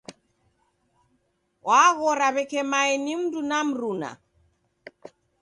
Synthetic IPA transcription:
waɣɔɾaβɛkɛmaɛnim̩dunam̩ɾuna̰

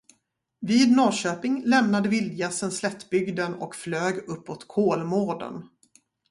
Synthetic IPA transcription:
viːd̪noːɕøːpɪŋlɛmnad̪əvɪld̪jasənslɛt̪ːbʏɡd̪ənɔ̰kfløːɡɵpːot̪kʰoːlmoːɖə̰n

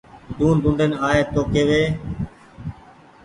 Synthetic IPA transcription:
d̪uːnd̪ʊ̃ɳɖenaːɦeːt̪oːkeːʋeː

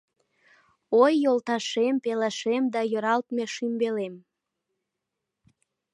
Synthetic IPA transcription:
ojːolt̪ɑʃempelɑʃemd̪ɑjøɾɑlt̪meʃymbelem

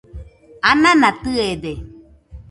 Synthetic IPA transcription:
anãnãt̪ɨed̪e

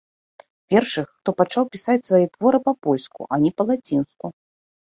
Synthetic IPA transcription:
pʲɛrʂɨxːt̪ɔpat͡ʂawpʲisat͡sʲsvajɛt̪vɔɾɨpapɔlʲskṵʔɐnʲɛpɐlˠat͡sʲinsku

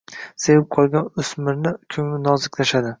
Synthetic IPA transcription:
sevɪp̚qʰɒlˠɡʲanʊsmɪɾnɪkʲʰɵŋlɪnɒzɪkʲlaʃad̪ɪ

